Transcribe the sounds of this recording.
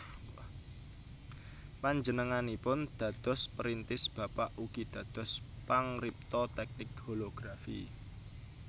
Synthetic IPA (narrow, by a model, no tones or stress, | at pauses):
paɲd͡ʒənəŋanipʊnd̪̥ä̤d̪̥ɔ̤spəɾint̪ɪsb̥ä̤paʔuɡ̥i̤d̪̥ä̤d̪̥ɔ̤spaŋrip̚t̪ɔt̪ɛk̚nɪk̚holoɡ̥ɾafḭ